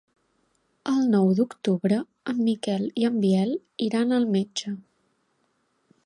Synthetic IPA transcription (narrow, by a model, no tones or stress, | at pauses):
əlˠnɔwd̪ukt̪uβɾə | əmːikɛliəmbiɛl | iɾanəlˠmed͡ʒə